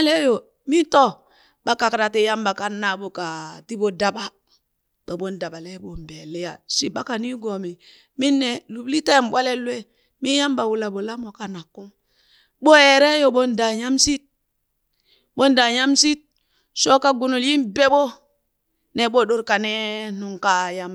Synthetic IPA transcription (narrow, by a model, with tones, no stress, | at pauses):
a˦le˦jo˨ | mi˦to˦ | ɓa˦ka˨kɾa˨ti˦ja˦mba˨ka˦na˨bo˨ka˨ti˦bo˦da˦ɓa˦ | ɓo˨ɓo˦nda˨ba˨le˦bo˨m˨be˨le˦ja˨si˦ɓa˦ka˨ni˦ɡo˨mi˨ | mi˦nːɛ˨lu˨bli˦te˦˨mɓʷa˦le˦lwe˦ | mi˦ja˦mba˨wu˨la˨bo˨la˦mo˨ka˨na˨kːu˦m | ɓo˦e˨ɾe˦jo˨ɓo˦nda˨ja˦msi˦t̚ | ɓo˦nda˨ja˦msi˦t̚ | so˦ka˦ɡu˨no˨lji˦nbe˦ɓo˦ | ne˦ɓo˦ɗo˦ɾka˨ne˦nu˨ŋka˦ja˦m˨